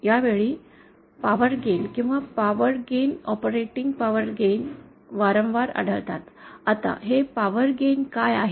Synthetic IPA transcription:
jaʋeɭiː | paʋəɾɡenkĩw̃ʋapaʋəɾɡenɔpəɾeʈiŋɡ̚paʋəɾɡen | ʋaɾə̃mʋaɾa̰ɽ̤ʱəɭt̪at̪at̪a̰ɦepaʋəɾɡenkajaɦe

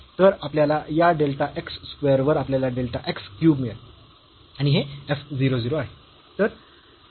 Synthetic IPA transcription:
t̪əɾapljalajaɖelʈaʔeksːkʋejəɾʋəɾapljalaɖelʈaʔekskjuːbmiə | añiɦeefd͡ziɾod͡ziɾoaɦe | t̪əɾ

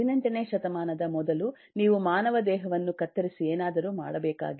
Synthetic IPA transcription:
inɐɳʈɐneːʃɐt̪ɐmaːnɐd̪ɐmɔd̪ɐlu | niːʋumaːnɐʋɐd̪ɛːɦɐʋɐnːukɐt̪ːɐɾisieːnaːd̪ɐɾuːma̰ːɽɐbɛːka̰ːɡi

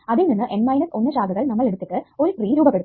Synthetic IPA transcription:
ɐðilninːɨʔe̞nmɐjnɐso̞nːɨɕaːɡʱɐɣɐɭnɐmːɐɭeɽut̪ːiʈːɨo̞ɾupriːɾuːbɐpːe̞ɽu

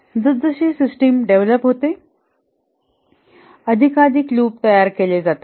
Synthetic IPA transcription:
d͡zəd͡zəɕiːsisʈimɖeʋləpɦot̪e | əd̪ʱikad̪ikluːp̚t̪əjaɾkeled͡zat̪a

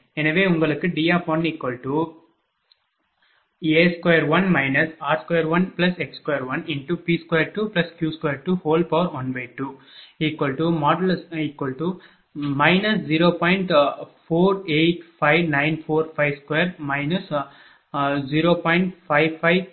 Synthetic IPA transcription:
ɛnɐʋeːʊŋɡɐɭɯkːɯɖiːjaːpoːniːkːwɐlʈu | eːskɐjɐɾʋɐnmɐɪnɐsaːɾskojɐɾʋɐnplɐsɛkskojɐɾʋɐnɪɳʈupiːskɐjɐɾʈuplɐskjuːskwɐjɐɾʈuhoːlpɐʋɐɾoːnbɐɪʈːuiːkːɐlʈumɔːɖɐlsiːkːɐlʈu | mɐɪnɐsd͡ʒiːɾoːpɔːɪ̃ɳʈfoːɾeːʈfɐɪʋnɐ̃ɪ̃nfoːɾfɐɪʋskɔjɐɾmɐɪnɐs | d͡ʒiɾoːpɔːɪɳʈfɐɪʋfɐɪʋ

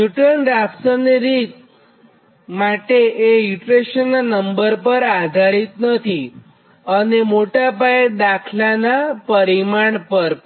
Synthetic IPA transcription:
juʈəɳɾaksəniɾit̪ | maʈeʔːjuʈɾeʃənːəmbəɾpəɾad̪ʱaɾit̪nət̪ʰi | ənemoʈapaed̪akʰlanapəɾimaɳpəɾ

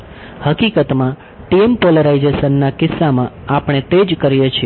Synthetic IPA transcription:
həkikət̪mã | ʈiempoləɾaid͡ʒesənːakɪsːamãapɽ̃et̪ed͡ʒkəɾjet͡ʃʰie

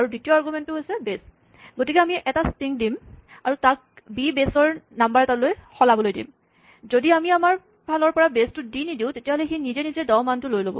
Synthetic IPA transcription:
aɹuditioaɹɡumɛntʊɦojsɛbes | ɡotikɛamiʔɛtastiŋdimaɹutak̚ | bibesɔɹnambaɹɛtalojxɔlabɔlojdḭm | zodiamiamaɹ | pʰalɔɹpɔɹabestʊdinidiʊ̃tetiaɦɔlɛxenizenizɛdɔwmantʊlojlobɔ̰

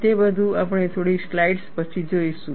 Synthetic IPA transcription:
t̪ebəd̪ʱũapəɽ̃et̪ʰoɽislaiɖspət͡ʃʰid͡ʒoiʃũ

